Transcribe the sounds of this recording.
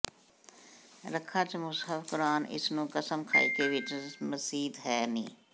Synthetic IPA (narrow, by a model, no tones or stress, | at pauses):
ɾəkʰːaːt͡ʃəmʊsɦəfkʊɾaːnɪ̰snũːkəsəmkʰa̰ːikeːʋɪt͡ʃməsiːd̪ɦɛːnḭ̃ː